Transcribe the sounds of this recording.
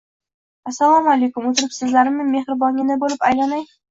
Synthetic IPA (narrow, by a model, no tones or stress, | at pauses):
asːalˠɒmalejkʲʊmɵt̪ɪɾɪpsɪzlaɾɪmɪme̞hɾɪbɒŋʲɪnɪbolˠɪpajlanaj